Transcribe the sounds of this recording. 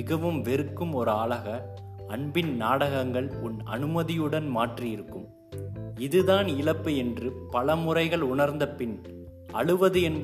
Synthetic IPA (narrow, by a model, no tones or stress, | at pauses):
ɪɣɐʋɯmʋɛɾɯkːɯmɔɾɯaːɭɐɣɐ | ɐɳbɪnnaːɽɐɣɐŋɡɐɭʊnɐ̰nɯmɐðɪjɯɽɐnmaːʈrijɪɾɯkːɯm | ɪðɯðaːnɪɭɐpːɯɛndrɯpɐɭɐmʊrɐɪɣɐɭʊɳɐɾnd̪ɐpɪn | ʔɐɻɯʋɐðɯɛnb